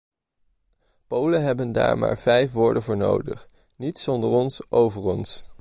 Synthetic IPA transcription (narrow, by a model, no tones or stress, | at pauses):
powlənɦɛbənda̰ːɹma̰ːɹvɛjfʋʊːɹdənvʊːɹno̰wdə̰χ | nitsɔndəɹɔnsʔowvəɹɔns